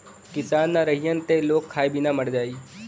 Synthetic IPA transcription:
kɪsaːnːaɾəɦijənt̪eloːkʰːaːebɪnamɐɽd͡ʒaːiː

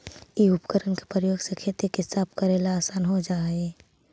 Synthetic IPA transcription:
iʊpkəɾənke̥pəɾjoːɡsekʰet̪ekeɦsaːb̚kəɾelaːsaːnɦod͡ʒaːe

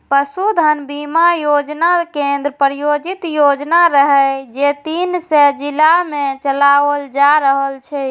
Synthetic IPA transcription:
pəsud̪ʱənbimajod͡ʒnakend̪ɾəpɾijod͡ʒit̪jod͡ʒnaɾəɦɛd͡ʒet̪insed͡ʒilamet͡ʃəlaʋəld͡ʒaɾəɦəlt͡ʃʰɛ

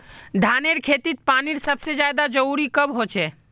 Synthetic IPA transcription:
d̪ʱaːneɾkʰeːt̪it̪̚paːniɾsəbsed͡ʒaːjd̪ad͡ʒəɾuːɾikəbɦoːt͡ʃʰeː

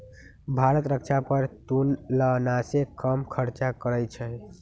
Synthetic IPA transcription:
bʱaɾət̪ɾəkt͡ʃʰapəɾt̪unlənasekəmkʰəɾt͡ʃakəɾəjt͡ʃʰə

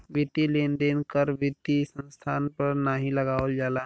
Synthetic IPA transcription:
bit̪ileːnd̪eːnkəɾbɪt̪isə̃nst̪ʰaːnpəɾnaɦĩləɡaːəld͡ʒaːlaː

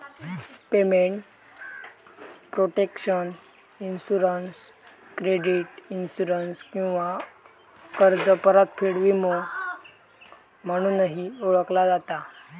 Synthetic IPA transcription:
pemeɳʈ | pɾoʈekɕən | insuɾənskɾeɖiʈinsuɾənskĩw̃ʋa | kəɾd͡zəpəɾət̪fʰiɽʋimo | m̤əɽ̃uːnəɦioɭəklad͡zat̪a

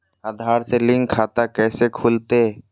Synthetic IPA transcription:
aːd̪ʱaːɾselɪ̃ŋɡkʰaːt̪akɛːsekʰuːlt̪e

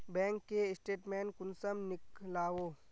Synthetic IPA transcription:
bɛ̃ːŋkːeɪsʈeːʈmɛːnkʊnsəmnɪklaːwoː

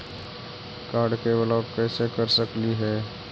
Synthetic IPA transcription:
kaːɾɖkebəlɔːkkɛːsekəɾsəkliɦɛː

